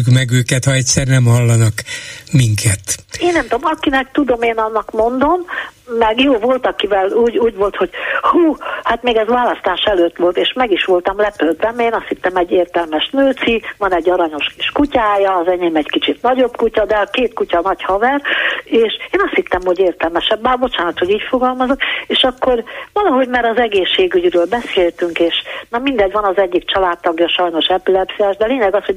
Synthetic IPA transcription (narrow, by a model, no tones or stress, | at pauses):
kmɛɡøːkɛt̪hɒɛcʲsɛrnɛmhɒlːɒnɒkmiŋkʰɛt̪eːnːɛmt̪o̞mɒkinɛk̚t̪ud̪o̞meːnɒnːɒkmo̞nd̪o̞mːɛɡjoːvo̞lt̪ɒkivɛluːɟuːɟʋo̞lt̪ho̞ɟ̥huːhaːt̪meːɡɛzʋaːlɒst̪aːʃɛløːt̪ʋo̞lt̪eːʃmɛɡiʃʋo̞lt̪ɒmlɛpølt̪ɛmeːnɒst̪hit̪ːɛmɛɟːeːrt̪ɛlmɛʃnøːt̪sivɒnɛɟːɒɾɒɲo̞ʃkiʃkucaːjɒːzɛɲeːmɛckit͡ʃit̪nɒɟo̞bkucɒd̪ɛɒkeːt̪kucɒnɒchɒvɛreːʃeːnɒst̪hit̪ːɛmho̞ɟeːrt̪ɛlmɛʃɛbːɛbo̞t͡ʃaːnɒt̪hoɟiːcfo̞ɡɒlmɒzokeːʃɒkːo̞rʋɒlɒɦo̞ɟmaːɾɒzɛɡeːʃːeːɡyɟɾøːlbɛseːlt̪yŋkeːʃnɒmind̪ɛɟʋɒnɒzɛɟːikt͡ʃɒlaːt̪ːɒɡjɒʃɒjno̞ʃɛpylɛpsiɛʒd̪ɛleːɲɛɡɒsho̞